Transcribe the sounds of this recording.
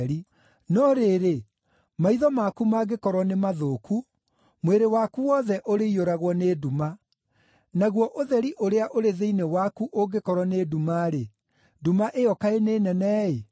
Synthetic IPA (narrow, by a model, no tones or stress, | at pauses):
ɾi | nɔɾeɾe | maiðɔmakumaɣekɔɾwɔnemaðokʰu | mweɾewakuwɔðɛʔoɾeioɾaɣwɔneduma | naɣwɔʔoðɛɾiʔoɾeaʔoɾeðeinewakuʔoɡekɔɾwɔnedumaɾe | dumaʔeɔkaeneːnɛnɛe